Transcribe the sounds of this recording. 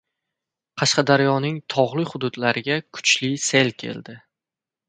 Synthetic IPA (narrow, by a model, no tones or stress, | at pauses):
qʰɑʃqɑd̪aɾjɒnɪŋt̪ʰɒʁlˠɪhʊd̪ʊd̪laɾɪɡʲakʰʊ̥t͡ʃlɪselkʲʰe̞̰ld̪ɪ